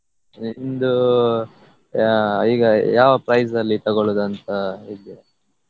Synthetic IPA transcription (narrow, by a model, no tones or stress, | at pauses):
ind̪u | iːɡɐjaːʋɐpɾɐjs̬d̪ɐlːit̪ɐɡoɭud̪ɐnt̪ɐid̪ijɐ